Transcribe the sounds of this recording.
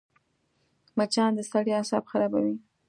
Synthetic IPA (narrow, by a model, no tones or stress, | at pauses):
mat͡ʃɑnd̪əst̪ɑɽjoasɑ̰bxaɾɑbawi